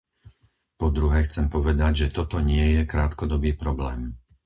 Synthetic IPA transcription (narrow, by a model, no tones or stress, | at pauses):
pɔd̪ɾuɦɛːxt͡sɛmpɔʋɛd̪aɟʒɛt̪ɔt̪ɔɲɪɛjɛkɾaːt̪kɔd̪ɔbiːpɾɔblɛːm